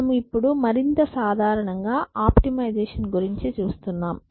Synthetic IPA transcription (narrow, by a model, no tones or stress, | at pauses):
ɐmuipːuɽumɐɾint̪ɐsaːd̪ʱaːɾɐɳɐŋɡaːʔaːpʈimɐjd͡ʒɛːʂɐnɡuɾiɲt͡ʃit͡ʃuːst̪unːaːm